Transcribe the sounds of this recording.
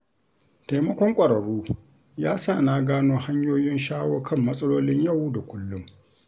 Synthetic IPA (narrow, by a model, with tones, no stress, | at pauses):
ta˨jmɐ˦kʷɔ˦ŋkʷʼɐ˨ɾɐ˨ɽuː˦ | jaː˦sa˦˨naː˦ɡaː˦noː˦ha˦ɲjoː˦jɪ˦nʃaː˦woː˦kʰɐ˦˨mːɐ˦sʼɐ˦loː˦lɪ˦ɲjɐ˦˨wda˨kʷʊ˦lːʊ˦ŋ